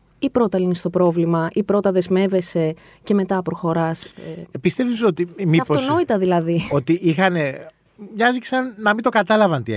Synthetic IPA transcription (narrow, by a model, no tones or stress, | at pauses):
ipɾo̞t̪ɐlinist̪o̞pɾo̞vlimɐʔipɾo̞t̪ɐðe̞zme̞ve̞se̞ | ce̞me̞t̪ɐpɾo̞xo̞ɾɐspist̪efisot̪imiɐfotono̞it̪ɐðilɐðiot̪iʔixɐne | ɲɐziksɐnːɐmint̪o̞kɐt̪ɐlɐvɐnt̪iḛ